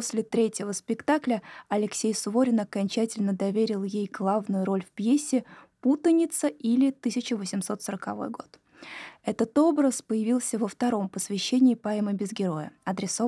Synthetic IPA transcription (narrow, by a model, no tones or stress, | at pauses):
osʲlʲɪt̪ɾʲetʲɪvəspʲɪkt̪aklʲəɐlʲɪksʲejsʊvo̞ɾʲɪnɐkɐnʲt͡ɕætʲɪlʲnəd̪ɐvʲeɾʲɪlˠjejɡlˠavnʊjʊɾo̞lʲfpjesʲːɪput̪ənʲɪt̪səʔilʲɪt̪ɨsʲɪt͡ɕɪvəsʲɪmso̞t̪səɾəkɐvo̞̰jɡo̞̰t̪ | ɛt̪ət̪o̞bɾəspəjɪvʲilˠsʲəvəft̪ɐɾo̞mpəsvʲɪɕːenʲɪːpaməbʲɪzɡʲɪɾo̞jə̰ɐd̪ɾʲɪso